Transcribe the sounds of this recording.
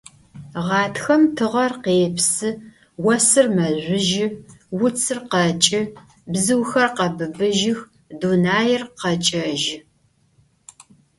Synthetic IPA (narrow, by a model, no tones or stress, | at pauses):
ʁɑːtʰxɐmtʰɨʁɐrqeːpʰsɨ | wɐsɨrmɐʑʷʊʒɪwʊt͡sʰɨrqɐt͡ʃʼɪ | bzɨwxɐrqɐbɨbɨʒɪx | dunaːjɪrqɐt͡ʃʼɐʒɪ